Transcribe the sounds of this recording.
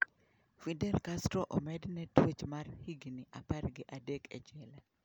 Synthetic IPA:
fidɛlkastɾɔʔɔmɛdnɛtwet͡ʃmarhiɡniʔaparɡɪʔadekʰɛ̰t͡ʃɛla

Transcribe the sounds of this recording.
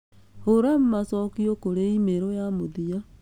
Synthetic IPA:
hoɾam̩masɔkiokoɾeimeɾojamoðia

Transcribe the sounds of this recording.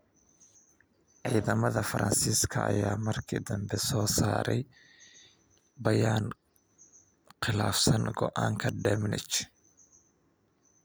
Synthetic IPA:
ʕiːðɐmɐðɐfɐɾɐ̰nsiːskʰɐɐ̰jaːmɐrkʰid̪ɐmbɛsɔːsaːɾɛj | bɐjaːn | qɪlaːfsɐnɡɔʔaːŋkʰɐd̪ɛmnɪt͡ʃ

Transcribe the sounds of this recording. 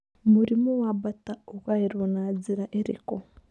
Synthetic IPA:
muɾimuwabataokwaiɾonaːd͡ziɾaʔeɾḭko

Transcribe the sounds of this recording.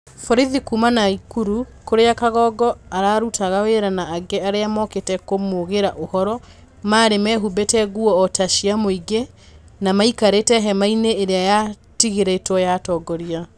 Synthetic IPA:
fɔɾiðikumanaikuɾu | koɾeakaɣɔɡɔaɾaːɾutʰaɣaweɾanaːɡɛaɾeamɔketɛkomoɣeɾaʔohɔɾɔ | maːɾemɛɦubetɛɣuɔːtaʃiamoiɡe | namaikaɾetɛɦɛmaineːɾeaja | tiɣeɾetwɔjatɔɡɔɾia

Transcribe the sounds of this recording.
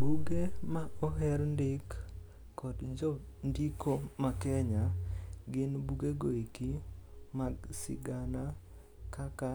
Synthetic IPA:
buɡemaɔɦɛɾndɪkː | ɔdd͡ʒɔndikomakɛɲaɡɪnbuɡeɡoikimaɡsɪ̰ɡana | kaka

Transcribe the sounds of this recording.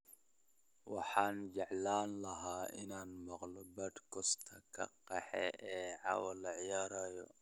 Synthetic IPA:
wɑħaːnd͡ʒɛʕlaːnlɐɦaːʔɪ̰naːnmɐqlɔbɐd̪kʰɔst̪ʰɐkʰɐ̰qɛħɛ̰ʔɛːʕɑ̰wɐlɐʕɪjaːɾaːjɔ̰

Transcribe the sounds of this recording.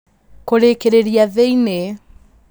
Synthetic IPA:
koɾeːkeɾeɾiaðejne

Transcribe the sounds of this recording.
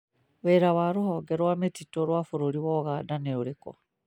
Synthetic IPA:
weːɾaβaɾohɔɡɛɾwametitɔɾwafoɾoɾiwɔɣaːdaneoɾekɔ̰

